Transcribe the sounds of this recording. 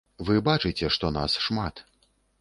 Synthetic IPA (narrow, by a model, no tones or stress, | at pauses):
vɨbat͡ʂɨt͡sʲɛʂt̪ɔna̰sʂmat̪